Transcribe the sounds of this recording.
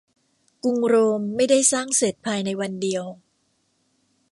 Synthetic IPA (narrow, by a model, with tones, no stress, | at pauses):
ku˧ŋɾoː˧mːa˥˩jda˥˩jsaː˥˩ŋse˨˩t̪̚pʰaː˧jna˧jwa˧ndi˧əw